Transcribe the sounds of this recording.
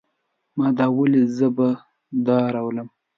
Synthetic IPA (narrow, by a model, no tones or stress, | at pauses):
mɑd̪ɑwəlizəba | d̪ɑɾawləm